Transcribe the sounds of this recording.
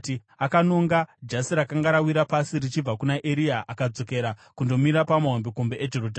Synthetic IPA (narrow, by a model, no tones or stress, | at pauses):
i | akanoŋɡad͡ʒasiɾakaŋɡaɾawiɾapasirit͡ʃib͡vakunaʔeɾiaʔakad͡zo̞ke̞ɾakundo̞miɾapamaɦombeko̞mbe̞ʔed͡ʒe̞roda